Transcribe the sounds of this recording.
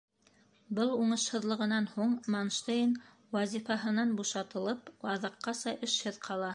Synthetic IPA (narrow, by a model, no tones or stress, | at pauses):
bɤlˠuɴɤ̆ʃhɤ̆ðlˠɤ̆ʁɤ̆nɑnhuɴmonʃt̪ejn | wæzʲifɑɦɤ̆nɑnbuʃɑt̪ɤ̆lˠɤpwɑðɤ̆qːɑsɑʔɘ̆ʃhɘðqʰɑlˠɑ